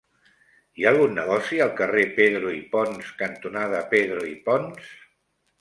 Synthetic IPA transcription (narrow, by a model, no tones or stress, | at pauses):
iaːlˠɣunːəɣ̞ɔsiəlˠkərepeðɾuipɔnskənt̪unað̞əpeðɾuipɔns